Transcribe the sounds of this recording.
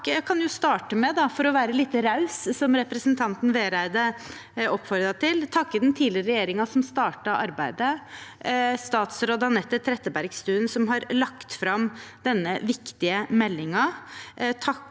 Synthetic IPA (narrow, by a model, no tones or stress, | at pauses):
ækʰɑnjʊst̪ɑːʈəmɛd̪ɑfɔɾɔʋæːɾəliːt̪ːəɾɑʉssɔmɾɛpɾəsənt̪ʰɑnt̪nʋeːɾæɪd̪ə | ɔpːfɔɾd̪ɾɑt̪ʰɪlt̪ʰɑkːəd̪ɛnt̪ʰiːlɪɾəɾɛjeːɾɪŋɑsɔmst̪ɑːʈɑʔɑɾbæɪd̪ə | st̪ɑːt̪sɾoːd̪ɑnɛt̪ːət̪ʰɾɛt̪ːəbæɾɡst̪ʉːnsɔmɦɑɾlɑkt̪fɾɑmd̪ɛnːəʋɪkt̪ɪəmɛlːɪŋɑ | t̪ʰɑ